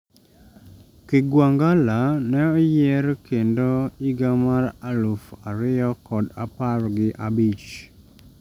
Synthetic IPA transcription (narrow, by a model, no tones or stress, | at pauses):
kɪɡwaŋɡalanɛɔjɛɾkendoiɡamaɾalufaɾɪjɔkɔda̰parɡɪʔabit͡ʃ